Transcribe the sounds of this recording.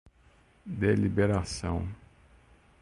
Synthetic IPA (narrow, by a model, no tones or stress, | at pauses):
d̪elibeɾasɐ̰̃w̃